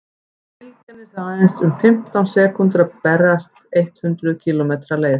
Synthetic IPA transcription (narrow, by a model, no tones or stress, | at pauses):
ɪlc̪anɪsaːðɛnsʏmfɪm̥t̪awnsɛːkʏnt̪ɾapɛrast̪ejht̪hʏnt̪ɾʏðcʰiːlɔmeːt̪ɾaleːjð